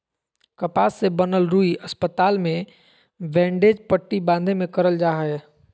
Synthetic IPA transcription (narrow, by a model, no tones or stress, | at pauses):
kəpaːsːebənəlɾuːiʔɐspət̪aːlmẽ | ʋɛ̃ːɳɖeːd͡ʒpəʈːibãːnd̪ʱemẽkəɾəld͡ʒaːɦɛː